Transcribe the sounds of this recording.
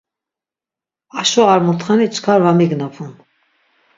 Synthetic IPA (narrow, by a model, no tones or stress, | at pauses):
aʃɔaɾmut̪χanit͡ʃʰkʰaɾvamiɡnapʰun